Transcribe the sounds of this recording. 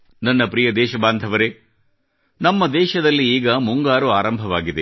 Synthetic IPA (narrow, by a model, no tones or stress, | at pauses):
nɐnːɐpɾijɐd̪ɛːʃɐbaːnd̪ʱɐʋɐɾe | nɐmːɐd̪ɛːʃɐd̪ɐlːiiːɡɐmuŋɡaːɾuaːɾɐmbʱɐʋaːɡid̪e